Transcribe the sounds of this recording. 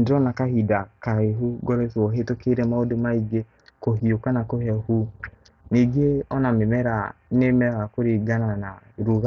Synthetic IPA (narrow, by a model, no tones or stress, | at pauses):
n̩dɔnakaɦidakaeɦuɡɔɾɛsɔɦetokeɾemaodomaiɡe | koɦiokanakoɦɛhu | niɡeɔnamemɛɾa | nemɛakoɾiɡananaɾuɣa